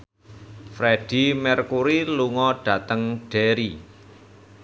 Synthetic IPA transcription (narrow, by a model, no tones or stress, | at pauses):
fɾeɖ̥i̤mɛrkuɾiluŋɔɖ̥ä̤t̪əŋɖ̥ɛɾi